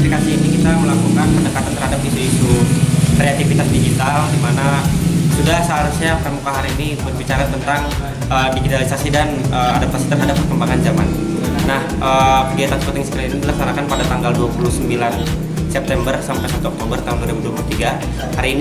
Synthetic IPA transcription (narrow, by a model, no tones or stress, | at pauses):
plikasiːnikit̪aməlakukanpəndəkat̪ant̪ərhadapisuisukɾeat̪ifit̪asdiɡit̪aldimanasudahsaːɾusapəamukaɦaɾiːnibərbit͡ʃaɾat̪ənt̪aŋ | əːdiɡit̪alisasidanəadap̚t̪asi̥t̪ərɦadapːərkəmbaŋand͡ʒama̰n | nahʔəːkəɡiat̪ansəpənt̪ɪŋsə̥kalanidəlak̚sanakanpadat̪aŋɡalduapulusəmbilan | sɛp̚t̪ɛmbərsampajsat̪uɔk̚t̪obərt̪aɦunduwaɾibuduapuluht̪iɡa | haɾiːn